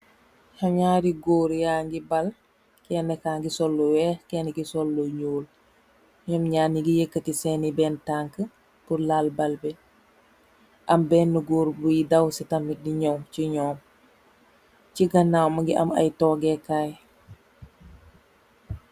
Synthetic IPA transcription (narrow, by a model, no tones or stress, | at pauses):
haɲaːɾiɡoːɾjaːŋɡibɐl | kɛːnɛkaːŋɡisɔlːowɛːxkɛːnɛɡisɔlːoɲoːl | ɲɔːmɲaːniɡijekːətisɛːnibɛːntaŋkə | puɾlaːlbɐlbɛ | ʔɐmbɛːnːəɡoːɾbujidɐwsitɐmidiɲɔmciɲɔːm | ciɡɐnːawmɐŋɡiʔɐ̰mɐ̰jtɔːɡɛkaːj